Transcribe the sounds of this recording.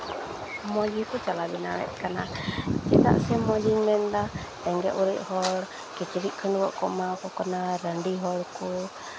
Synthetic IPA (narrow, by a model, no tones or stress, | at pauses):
mɔd͡ʒikut͡ʃalabinalɛ̰ʔ̪kanat͡ʃit̪a̰ʔsɛmɔd͡ʒiŋmɛnd̪a | t̪ɛŋɡɛʔuɾiʔhɔl | kɛt͡ʃiɾiʔkʰənwɔʔkɔmakɔkɔnadandiɦɔlku